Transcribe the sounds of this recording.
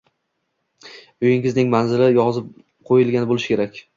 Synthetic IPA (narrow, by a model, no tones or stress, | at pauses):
ojɪŋɪznɪŋmanzɪlɪjɒzɪp̚ | qʰojɪlˠɡʲanɪbolˠɪʃkʰʲe̞ɾakʲ